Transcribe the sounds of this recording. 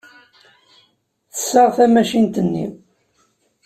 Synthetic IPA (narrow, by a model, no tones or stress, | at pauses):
θə̥sːəʁθæmæʃint̪ənːḭ